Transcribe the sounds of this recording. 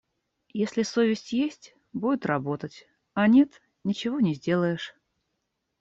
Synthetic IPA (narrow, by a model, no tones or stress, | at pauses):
jesʲlʲɪsovʲɪsʲtʲjesʲtʲ | budʲɪt̪rɐbo̞t̪ətʲ | ɐnʲe̞t̪ | nʲɪt͡ɕɪvonʲɪzʲdʲe̞lˠəjɪʂ